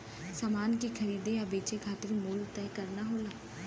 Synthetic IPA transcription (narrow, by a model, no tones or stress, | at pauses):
samaːnkikʰəɾiːd̪eabeːt͡ʃekʰaːt̪ɪɾmuːlt̪ɛːkəɾnaɦoːlaː